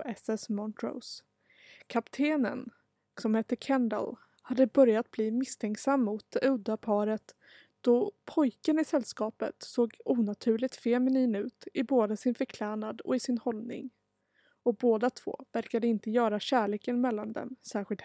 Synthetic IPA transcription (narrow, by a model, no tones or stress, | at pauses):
ɛsɛsmɔnt̪ʰɾɔ̰s | kʰapt̪ʰeːnə̰n | sɔmhɛt̪ːəkʰɛnd̪ə̰l | had̪ːəbœɾjat̪̚bliːmɪst̪ʰɛŋksamːʊt̪̚ɵd̪ːapʰɑːɾət̪ | d̪̥ɔpʰɔjkənɪsɛlːskɑːpə̰t̪soːɡuːnat̪ʰʉ̟ːɭɪɡ̚t̪fɛmɛniːnʉ̟ːt̪ɪboːd̪əsɪnfœɾkʰlæːɳad̪ɔ̰ɪsɪnhɔlnɪ̰ŋ | ɔboːd̪at̪ʰv̥o̰ːvæɾkad̪əɪnt̪əjœːɾaɕæːɭeːkənmɛlːand̪ɛ̰msæːɾɧɪlt̪